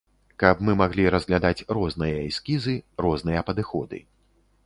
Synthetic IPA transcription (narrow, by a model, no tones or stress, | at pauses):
kɐpmɨmaɣlʲiɾɐzɣlʲad̪at͡sʲrɔznɨjɐiskʲizɨrɔznɨjɐpɐd̪ɨxɔd̪ɨ̰